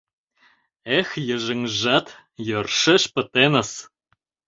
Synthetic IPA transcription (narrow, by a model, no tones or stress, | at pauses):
exjə̆ʒɘ̆ŋʒɑt̪ | jørʃĕʃpə̆t̪enə̆s